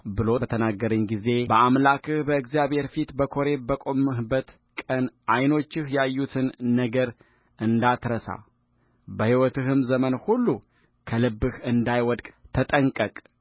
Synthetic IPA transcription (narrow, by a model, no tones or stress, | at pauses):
bɨlo̞t̪ʰənaɡːəɾɨɲɡize̞bəʔamlakʰɨhbəɨɡzjaβhe̞ɾfit̪bəkʰo̞ɾe̞bəkʼo̞mɨhbːət̪ | kʼənʔajno̞t͡ʃːɪhjɛajːut̪ʰɨnːəɡəɾ | ɨnd̪at̪ɾəsa̰ | bəhiwɔt̪ɨɦɨmzəmənhulːu | kʰəlɨbːɨhɨnd̪ajwɔd̪kʼt̪ʰət̪ʼəŋkʼəkʼ